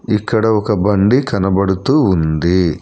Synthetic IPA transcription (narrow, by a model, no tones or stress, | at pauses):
ikːɐɽɐɔkɐbɐɳɖikɐnɐbɐɽut̪uund̪i